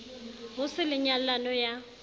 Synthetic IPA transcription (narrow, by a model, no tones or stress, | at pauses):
ɦʊsɪlɪɲallanɔja